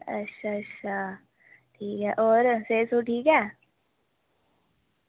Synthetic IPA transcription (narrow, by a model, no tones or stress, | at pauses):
ɐ̰tːʃʰatːʃʰa | ʈʰiːkɦɛːʔɔːɾseːsoʈʰiːkɦɛː